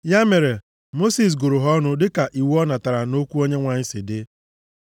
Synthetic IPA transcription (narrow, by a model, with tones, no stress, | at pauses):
ja˦me˨ɾe˨ | mo˦si˨s̬ɡo˨ɾʊ˨ɦɔ˦nʊ˦dɪ˦ka˨ʔi˨wu˦ɔ˦na˨ta˨ɾa˨no˦kʷu˦o˦ɲe˦ŋʷa˨ɲ̩˦sɪ˨dɪ˦